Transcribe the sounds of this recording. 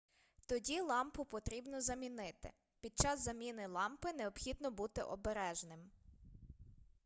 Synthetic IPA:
t̪ɔdʲilˠɑmpʊpɔt̪ɾʲibnɔzɐmʲinɪt̪ɪ̰ | pʲid̪̚t͡ʃɑzːɐmʲinɪlˠɑmpɪneɔbxʲid̪nɔbut̪ɪ̰ʔɔbeɾɛʒnɪm

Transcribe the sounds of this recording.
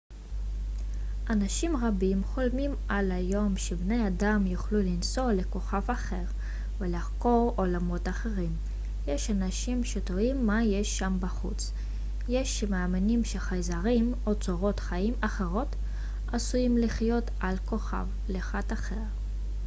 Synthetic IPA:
ʔanaʃimʁabimχo̞lmim | alajo̞mʃebne̞jad̪amjuχlulinso̞le̞ko̞χavaχe̞ʁ | velaχko̞ʁolamo̞t̪aχe̞ʁim | jeʃanaʃimʃet̪oimːajeʃːambaχṵt͡s | jeʃemeaminimʃeχajzaʁim | o̞t͡soʁo̞t̪χaimaχeʁo̞t̪ | asujimliχjo̞t̪ | alko̞χa̰v | leχat̪aχe̞ʁ

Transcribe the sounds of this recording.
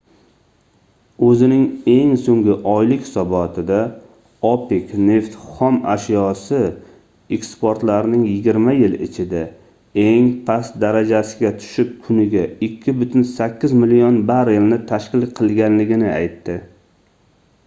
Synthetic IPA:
ɵzɪnɪŋe̞ŋsoŋɡʲɪʔɒjlɪkʲhɪ̥sɒbɒt̪ʰɪd̪a | opɪkʲne̞ft̪χɒma̰ʃjɒsɪ | ekspoɾt̪laɾnɪŋjɪɡʲɪɾmajɪlɪ̰t͡ʃʰɪd̪a | e̞ŋpʰast̪̚d̪aɾad͡ʒasɪɡʲat̪ʰʊ̥ʃɪp̚kʰʊnɪɡʲaɪkʲʰːɪbʊt̪ʰʊnsakʲːɪzmɪlijonbaɾɪlnɪt̪ʰaʃkʲɪlˠqʰɨlˠɡʲanlɪɡʲɪnɪa̰jt̪ːɪ

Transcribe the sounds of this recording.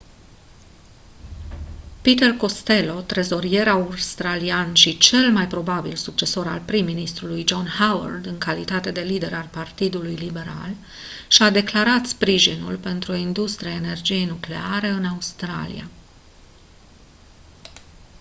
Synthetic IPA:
pit̪e̞rko̞st̪e̞lo̞t̪ɾe̞zo̞ɾie̞ɾaurst̪ɾalianʃit͡ʃe̞lmajpɾo̞babilsuk̚t͡ʃe̞so̞ɾa̰lpɾimːinist̪ɾulujd͡ʒo̞nhawa̰rd̪ɨŋkalit̪at̪e̞d̪e̞lid̪e̞ɾalpart̪id̪ulujlibe̞ɾa̰l | ʃiad̪e̞klaɾat̪spɾiʒinṵlpe̞nt̪ɾuo̞ind̪ust̪ɾiaene̞rd͡ʒije̞jnukleaɾe̞ɨnaust̪ɾa̰lḭja̰

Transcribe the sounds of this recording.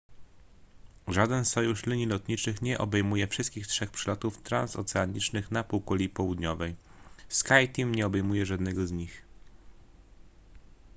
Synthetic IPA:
ʐad̪ɛnsɔjuʂlʲiɲilɔt̪ɲit͡ʂɘxɲɛʔɔbɛjmujɛfʂɘst̪kʲixtʂɛxpʂɛlɔt̪uft̪ɾa̰nsɔ̰t̪sɛaɲit͡ʂnɘxnapuwkɔlʲipɔwud̪ɲɔvɛjskajt̪imɲɛɔbɛjmujɛʐad̪nɛɡɔzɲix

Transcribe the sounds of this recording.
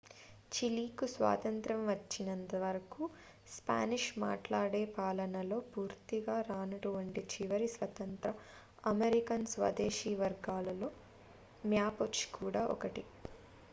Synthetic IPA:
t͡ʃiliːkusʋa̰ːt̪ɐnt̪ɾɐmʋɐt͡ʃːinɐnt̪ɐʋɐɾɐku | spa̰ːniʂma̰ːʈlaːɽe̞ːpaːlɐnɐlo̞ːpuːɾt̪iɡaːɾaːnɐʈuʋɐɳʈit͡ʃiʋɐɾisʋɐt̪ɐnt̪ɾɐ | ɐmeɾikɐnsʋɐ̰d̪eːʃiːʋɐɾɡaːlɐlo̞ː | mjaːpot͡ʃkuːɽaːʔɔ̰kɐʈi

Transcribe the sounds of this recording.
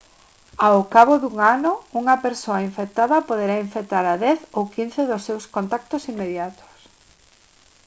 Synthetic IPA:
awkaβoðuŋanʊuŋɐpeɾsoɐiɱfek̚t̪aðɐpoð̞eɾaiɱfek̚t̪aɾaðɛθowkin̟θeðʊsːewskont̪ak̚t̪ʊsimːeðjat̪o̥s

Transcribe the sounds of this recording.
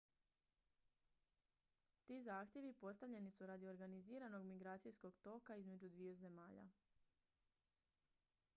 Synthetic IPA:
t̪izaːxt̪je̞ʋipo̞st̪aʋʎe̞nisuɾad̪io̞ɾɡaniziːɾano̞ɡmiɡɾaːt̪sijsko̞ɡt̪o̞kaizme̞d͡ʒud̪ʋioze̞maːʎa̰

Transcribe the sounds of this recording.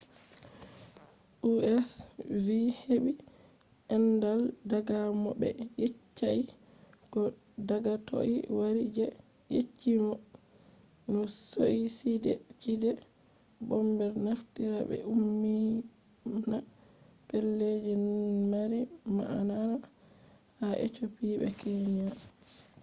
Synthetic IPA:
ʔuɛsviheɓi | ʔɛndaldaɡamɔbɛ̰jet͡ʃːai | kɔ | daɡatʰo̰ʔiwaɾid͡ʒɛ | jḛt͡ʃːimɔ | nɔsoʔisidɛt͡ʃidɛ | bɔmbɛɾnaftiɾa̰bɛ̰umːi | na | pɛlːed͡ʒimaɾima̰ʔanaɾa | haʔɛ̰t͡ʃopiːbɛ̰kɛɲa

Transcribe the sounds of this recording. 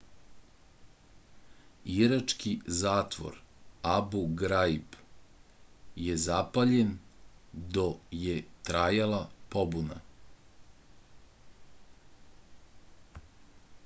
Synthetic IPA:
iɾat͡ʂkizaːt̪ʋo̰ɾabuɡɾaib | jezapaʎen | d̪ojet̪ɾajalˠapobuna̰

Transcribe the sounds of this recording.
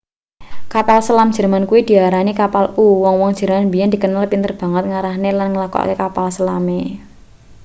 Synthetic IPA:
kapalsəlamdʒ̥ɛ̤rmankuwid̪̥i̤aɾanikapaluwɔŋwɔŋd̥ʒ̥ɛ̤rmanbijand̪ikənalpint̪ərb̥a̤ŋət̪̚ŋaɾahnelanŋəlakɔ̰a̰kekapalsəlame

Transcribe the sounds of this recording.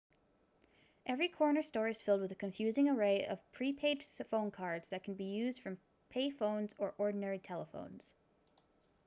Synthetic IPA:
ʔɛvɹikʰɔɹnə˞stɔɹiɨz̥fɪlˠd̚wəðɨkʰɨ̃ɱfjʉzɪ̃ŋə˞eɪʔʌ̰v̥pʰɹ̥ipʰeɪd̥sfõʊ̃nkʰɑɹdz̥ðɨt̚kʰn̩bijʉzd̥fɹʌ̃m | pʰeɪfõʊ̃nzə˞ʔɔɹdⁿn̩ɛɹitʰɛlˠəfõ̰ʊ̃nz̥

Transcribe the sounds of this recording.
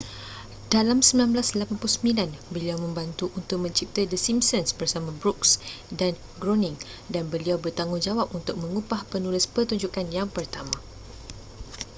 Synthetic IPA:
dalamsəmbilanblaslapanpulusəmĩlanbəliawmə̃mbant̪uʔunt̪ʊk̚mə̃ɲt͡ʃip̚t̪ədəsimsənsbərsamãbɾuksdan | ɡɾonĩŋ | danbəliawbərt̪aŋʊŋd͡ʒawap̚unt̪ʊk̚mə̃ŋupahpənulɪspərt̪uɲd͡ʒukanjaŋpərt̪amã

